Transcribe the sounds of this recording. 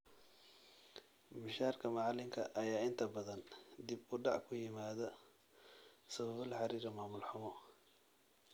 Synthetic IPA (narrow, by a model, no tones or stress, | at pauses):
mɪʃaːrkʰɐmɑʕɑlɪŋkʰɐʔɐjaːɪnt̪ʰɐbɐðɐnd̪ibʊɖɑʕkʰʊjɪmaːðɐ | sɐβɐβɐlħɑɾiːɾɐmaːmʊlħʊmɔ